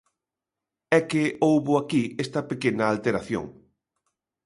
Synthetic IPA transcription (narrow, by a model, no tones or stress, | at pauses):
ɛkeowβʊakiɛst̪ɐpekenɐalt̪eɾaθjo̰ŋ